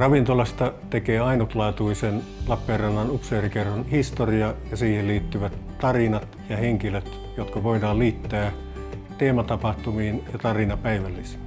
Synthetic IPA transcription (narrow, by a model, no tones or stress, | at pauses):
rɑʋint̪olɑst̪ɑt̪ekeːɑinut̪lɑːt̪uisen | lɑpːeːrrɑnːɑnupseːrikerːonhist̪oriɑjɑsiːhelliːt̪ːyʋæt̪t̪ɑrinɑt̪jɑheŋkiløt̪ | jot̪kɑʋoidɑːlliːt̪ːæː | t̪eːmɑt̪ɑpɑht̪umiːnjɑt̪ɑrinɑpæiʋælːise̥ː